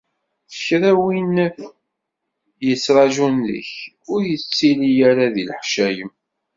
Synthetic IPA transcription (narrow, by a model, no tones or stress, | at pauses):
θə̥çɾæwinːəf | jət͡sːɾˤɑʒunðə̰ç | ʊɾjət͡sːilijaɾaðilħʃæjəm